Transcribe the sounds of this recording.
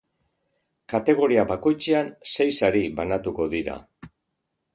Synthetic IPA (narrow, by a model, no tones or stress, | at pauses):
kat̪e̞ɣ̞o̞ɾiaβako̞jt͡seansejsaɾiβanat̪uko̞ðiɾa̰